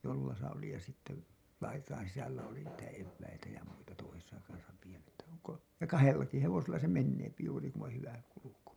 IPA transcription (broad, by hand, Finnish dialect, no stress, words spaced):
jolːɑsɑ oli jɑ sitːe lɑitɑin sisælːæ oli niːtæ eʋːæitæ jɑ muitɑ toisesɑ kɑnsɑ jɑ kɑhelːɑki heʋoselːɑ se menːeːpi juːri ku on hyʋæ kuluku